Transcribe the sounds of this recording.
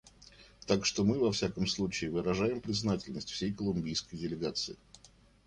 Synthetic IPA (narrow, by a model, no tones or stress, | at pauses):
t̪akʂt̪omɨvɐfsʲakəmslˠut͡ɕɪːvɨɾɐʐajɪmpɾʲɪznatʲɪlʲnəsʲtʲfsʲejkəlˠʊmʲbʲijskəjdʲɪlʲɪɡat̪sɨɪ